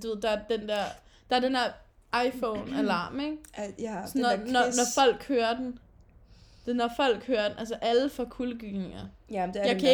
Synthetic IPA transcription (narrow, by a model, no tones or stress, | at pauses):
d̥uʋe̝̰d̥ɑ̈æɐd̥end̥æɐ̰ | d̥ɑ̈æɐd̥end̥æɐ̰ | ɑ̈ɪfɔʊnælɑ̈ːmeɡ̥snnɒnɒnɒfɒ̽l̰ɡ̥høːɐd̥en | d̥enɒfɒ̽l̰ɡ̥høːɐd̥enʔælsəʔæləfɒkʰuləɡ̥y̥ne̝ŋɐjɑ̈ɪkʰæ